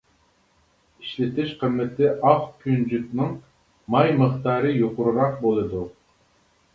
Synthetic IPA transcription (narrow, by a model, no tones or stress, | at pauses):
iʃlɪt̪ʰɪʃqəmːɪt̪ʰɪʔɑfkʲʰynd͡ʒyt̪nɨŋ | mɑjməχt̪ɑːɾɨjoqʊɾuɾɑq̚bolˠɨd̪u